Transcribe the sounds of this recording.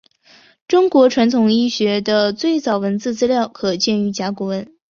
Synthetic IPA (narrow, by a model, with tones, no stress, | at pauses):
ʈ͡ʂʊ˥ŋkwɔ˧˥ʈ͡ʂʰwa˧˥nt̪ʰʊ˨˩ŋi˥ɕɥɛ˧˥d̪ə˧t͡swe˥˩ɪt͡sɑ˨˩ʊwə˧˥nt͡sɹ̩˥˧t͡sɹ̩˥ljɑ˥˩ʊkʰɤ˨˩t͡ɕjɛ˥˩ny˧˥t͡ɕja˧˥kwu˧˥wə˧˥n